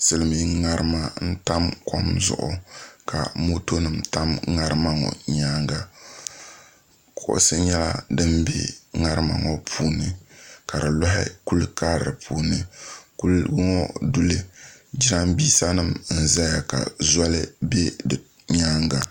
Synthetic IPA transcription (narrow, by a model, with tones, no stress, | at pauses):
sɨ˨lɨ˨mi˨ŋa˦ɾɨ˦ma˦n̩˦ta˦mkɔ˦mzʊ̰˨ʔʊ̰˨kʰa̰˨mo˦to˦nɨ˨mta˦mŋa˦ɾɨ˦ma˦ŋɔ̰˨ɲaː˦ŋɡa˨ | kʰʊ˨ʔʊ̰˦sɨ˦ɲɛ˦la̰˦dɨ˦mbḛ˦ŋa˦ɾɨ˦ma̰˨ŋɔ˦pʰuː˦nɨ˨ka˨ɾɨ˨lʊ˦ɦɪ̰˦ku˦lka˦ɾɾɨ˨pʰuː˦nɨ˨ku˦lɡŋɔ˦du˦lɨ˦d͡ʒi˦ɾa˦mbiː˦sa˦nɨ˦mn̩˨za˦ja˨ka̰˨za˦lɨ˦be˦dɨ˨ | ɲaː˦ŋ˦ɡa˨